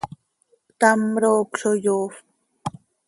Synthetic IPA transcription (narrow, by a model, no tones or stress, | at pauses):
t̪amɾoːkʂojof